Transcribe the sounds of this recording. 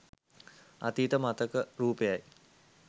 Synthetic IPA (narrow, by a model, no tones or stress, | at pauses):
a̰t̪iːt̪əmat̪əkəɾuːpejaj